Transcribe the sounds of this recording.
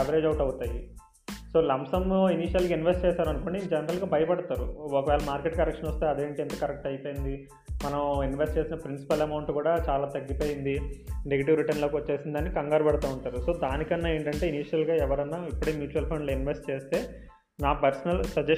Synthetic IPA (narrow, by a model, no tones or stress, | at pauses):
ɐʋɐɾeːd͡ʒɐʋʈɐwut̪aːji | so̞ːlɐmsɐmloːiniːʃɐlɡaːinʋesʈt͡ʃɛːsaːɾɐnuko̞ːɳɖid͡ʒɛnɐɾɐlɡaːbʱɐjɐpɐɽɐt̪aːɾuɔkɐʋɛːlɐmaːɾkeʈkɐɾekʂɐnɔst̪eɐd̪eːɳʈient̪ɐkɐɾek̚ʈɐjpojind̪i | mɐnɐminʋesʈt͡ʃe̞ːsinɐpɾinsi̥pɐlɐmɐwɳʈkuːɽaːt͡ʃaːlaːt̪ɐɡːipoːjind̪ineɡɐʈiʋɾiʈɐnloːkiʋɐt͡ʃːeːsind̪ɐːnːikɐŋɡaːɾɐbɐɽɐt̪aːuɳʈaːɾuso̞ːd̪aːnikɐnːaːe̞ːɳʈɐɳʈe̞ːiniːʂɐlɡaːɛʋɐɾɐnːaːipːuɽemjuːt͡ʃuɐlpʰɐɳɖloinʋesʈ̚t͡ʃeːst̪e̞ː | naːpɐɾsɐnɐlsɐd͡ʒe